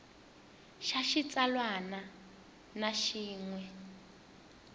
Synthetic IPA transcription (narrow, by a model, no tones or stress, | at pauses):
ʃaʃit͡salwana | naʃiːŋwɛ